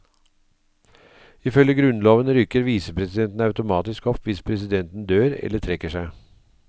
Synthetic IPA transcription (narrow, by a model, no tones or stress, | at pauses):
iːfœljəɡɾʉnloːʋənɾʏkəɾʋiːsəpʰɾɛsɪd̪ɛnt̪n̩ɑʉt̪ʊmɑːt̪ɪskɔpʋɪspʰɾɛsɪd̪ɛnt̪n̩d̪øːɾɛ̰lətʰɾɛkəʂæɪ